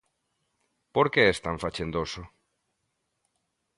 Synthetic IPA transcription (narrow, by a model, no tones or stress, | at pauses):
poɾkeɛst̪aɱfat͡ʃend̪oso